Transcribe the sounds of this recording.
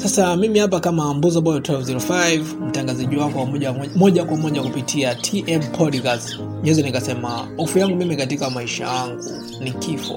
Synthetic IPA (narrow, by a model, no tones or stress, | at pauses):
sasamimihap̬akamambuzɔɓɔjɔtɛlvziɾɔfajvm̩taŋɡazaʄiwakɔwamɔʄaɔmɔʄakwamɔʄakupitʰiatʰiʔɛmpʰɔɾikaz | ɲwɛzɛnikasɛma̰ɔfujaŋɡumimikatikamaiʃa̰jaŋɡṵ | nikifɔ̰